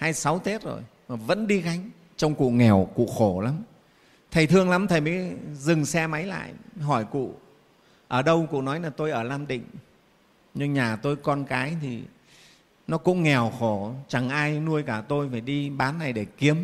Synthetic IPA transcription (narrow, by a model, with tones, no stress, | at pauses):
haː˧jsa˨˦wt̪e˦˥t̚zo̰˨˩j | ma˨˩və̰˧˥nɗi˧ɣa˧jŋ̟ | t͡ɕɔ˧wŋ͡mkṵ˧˨ŋɛ˨˩wkṵ˧˨xo˧˩la˨˦m | t̪ʰə˨˩jt̪ʰɨ˧əŋla˨˦mt̪ʰə˨˩jmə˨˦jzɨ˨˩ŋsɛ˧ma˨˦jla̰ː˧˨jɦɔ˧˩jkṵ˧˨ | ʔəː˧˩ɗə˧wkṵ˧˨nɔ˨˦jlaː˨˩t̪o˧jʔəː˧˩laː˧mɗḭ̈˧˨ŋ̟ | ɲɨ˧ŋɲaː˨˩t̪o˧jkɔ˧nkaː˨˦jt̪ʰi˨˩ | nɔ˨˦kʊ̰˧˥ŋ͡mŋɛ˨˩wxo˧˩t͡ɕa˨˩ŋʔaː˧jnu˧əjkaː˧˩t̪o˧jfaː˧˩jɗi˧ɓaː˨˦nːa˨˩jɗe˧˩ki˨˦əm